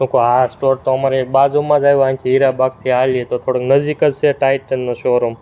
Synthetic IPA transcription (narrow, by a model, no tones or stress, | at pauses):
ukoɦaasʈoɾt̪oəmaɾebad͡ʒomãd͡ʒajoãŋkʰiɦiɾabak̚t̪ʰialiet̪ot̪ʰoɽəknəd͡ʒikəd͡ʒt͡ʃʰeʈajʈ̚ənːoʃoɾom